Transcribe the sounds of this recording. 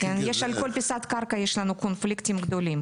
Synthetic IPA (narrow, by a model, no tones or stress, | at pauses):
ɛnjɛʃalʲkolʲpʲisɑt̪kɑrkajɛʃlʲanukʰonflʲikt̪ʲimɡd̪olʲim